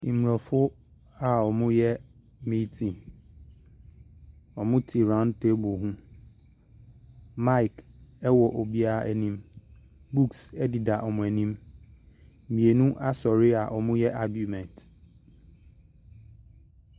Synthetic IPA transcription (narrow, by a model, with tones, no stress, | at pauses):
ĩ˨mu˨ɾɔ˨fʊ˦ | a˨ɔ˨mʊ̃˦jɛ˦ | mĩ˦tʰĩ˨n | ɔ˨mʊ̃˦tʰi˨ɾã˦ntʰe˦bʊ˨ɦũ˦ | ma˦jkɛ˦wɔ˨ʔo˨bi˦a˦a˦ʔɛ̰˨nĩ˦m | bu˦ksɛ˦di˨da˨ʔɔ˨mʊ̃˨æ˨nĩ˦m˨ | mĩ˨e˨nũ˦ʔa˦sɔ˨ɾɪ˦a˨ʔɔ˨mʊ̃˦jɛ˦ʔa˦ɡju˨mɛ̃˨nt